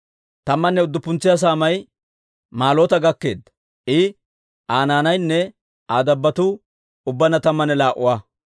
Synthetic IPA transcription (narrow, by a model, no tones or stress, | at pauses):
t̪ɐmːɐnːɛʊd̪ːʊpʊnt͡sːɪjas̬aːmɐj | maːloːt̪ɐɡɐkːe̞ːd̪ːɐ̥ | ʔɪ | ʔaːnaːnɐjnːɛ | aːd̪ɐbːɐt̪ʊ | ʊbːɐnɐt̪ɐmːɐnɛlaːʔʊ̰waː